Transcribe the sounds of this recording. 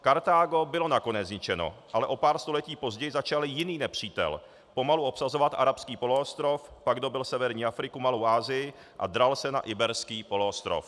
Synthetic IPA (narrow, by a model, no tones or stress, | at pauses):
kaɾt̪aːɡo̞bɪlo̞nako̞nɛzɲɪt͡ʃɛno̞̰ʔalɛʔo̞paːɾst̪o̞lɛciːpo̞zɟɛjɪzat͡ʃalɪjɪniːnɛpr̝̥iːt̪ɛ̰l | po̞maluʔo̞psazo̞vat̪ʔa̰ɾapskiːpo̞loost̪ɾo̞fpaɡdo̞bɪlsɛvɛɾɲiːʔafɾɪkumalowʔaːzɪjɪ | ʔa̰d̪ɾalsɛna̰ʔɪbɛɾskiːpo̞loost̪ɾo̞̰f